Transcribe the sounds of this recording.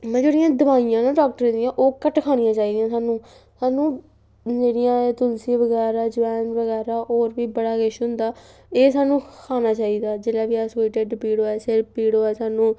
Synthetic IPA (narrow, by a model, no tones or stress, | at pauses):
mɛ̃ːd͡ʒeːɽɪjãːd̪əbaːijãːnãːɖɔːk̚ʈəɾd̪ɪjãːʔoːkəʈkʰaːɽ̃ɪjãːt͡ʃaːiːd̪ijãːsaːnũː | saːnũː | d͡ʒeːɽijãːt̪ʊlsiːʋəɡɛːɾaːd͡ʒʊɛːnʋəɣɛːɾaːʔoːɾʋiːbəɽaːɡɪʃɦʊ̃nd̪aː | eːsaːnːũːkʰaːnaːt͡ʃaːiːd̪aːd͡ʒeːlaːʋiːaseːʈeɖpiːɽoːɛːsɪɾpiːɽoːɛːsaːnũː